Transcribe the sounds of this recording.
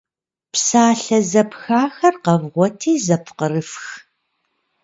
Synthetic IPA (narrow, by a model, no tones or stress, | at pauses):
psaːɬɐzɐpxaːxɐrqɐvʁʷɔtʰiːzɐpʰqərɨfx